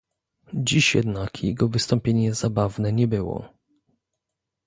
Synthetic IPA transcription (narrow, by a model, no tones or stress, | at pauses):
d͡ʑiɕjɛ̰d̪nakʰjɛɡɔvɘst̪ɔmpʲjeɲɛzabavnɛɲɛbɘwɔ̰